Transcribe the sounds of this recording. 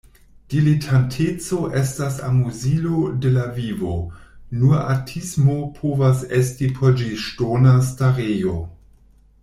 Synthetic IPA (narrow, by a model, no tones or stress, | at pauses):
d̥ilitʰantʰet͡so̞ʔestasa̰muzilode̞lavivonua̰tʰismopʰovasestipʰod͡ʒiʃtonas̬taɾejo